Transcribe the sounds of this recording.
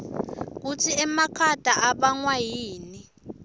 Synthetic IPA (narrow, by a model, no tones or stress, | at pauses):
k̬utʰiɛmakʰatʼaʔaɓaŋwajiːni